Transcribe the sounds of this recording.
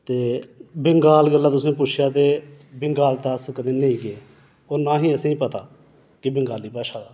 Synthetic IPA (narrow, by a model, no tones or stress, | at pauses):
t̪eːbɪŋɡaːlɡəlːaːt̪ʊsẽːp̬ʊt͡ʃʰjaːt̪eːbɪŋɡaːlt̪aːəskəd̪eːnẽiːɡɪe | oːnãːɦĩːəsẽːĩːpət̪aː | kɪbɪŋɡaːliːpaːʃaːd̪aː